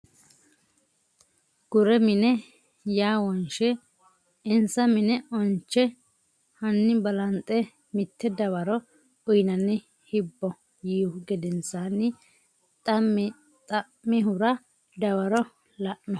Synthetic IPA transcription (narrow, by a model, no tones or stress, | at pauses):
ɡ̥ʊɾɛmɪnɛ | jaːwɔnʃɛ | ɪnsɐmɪnɛʔɔnt͡ʃːɛ | hɐnːɪbɐlɐnt̪ʼɛ | mɪt̪ʰːɛd̪ɐwɐɾɔ | ʊjnɐnːɪ | hɪbːɔ | jiːʊɡɛd̪ɛnsanːɪ | t̪ʼɐmː | t̪ʼɐ | mːɪɦʊɾɐ | d̪ɐwɐɾɔ | lɐʔnɔ